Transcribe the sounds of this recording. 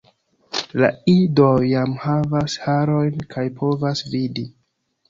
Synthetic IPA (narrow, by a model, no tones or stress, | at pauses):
la̰idojamhavashaɾo̞jnkʰajpʰo̞vasvidi